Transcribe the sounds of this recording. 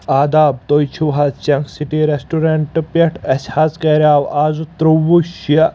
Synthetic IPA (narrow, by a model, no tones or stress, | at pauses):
aːd̪aːb̚t̪oːjt͡ʃʰuɦat͡ʃɐŋksiʈiɾesʈuɾeɳʈɨpɐʈʰɐsʲhaːskɐɾʲaːʋaːzut̪ɾuʋuʃjɐ